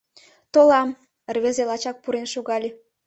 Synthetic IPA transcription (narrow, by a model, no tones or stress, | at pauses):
t̪olɑm | ərβʲĕzelɑt͡ɕɑk̚puɾenʃoɣɑlʲe